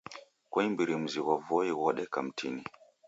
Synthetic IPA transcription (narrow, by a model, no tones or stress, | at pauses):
kwaimbiɾim̩ziɣavɔiɣɔɗɛkam̩tʰini